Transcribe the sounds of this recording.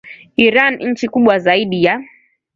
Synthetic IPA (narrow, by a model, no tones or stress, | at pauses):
iɾanɲ̩t͡ʃikuɓwazaiɗija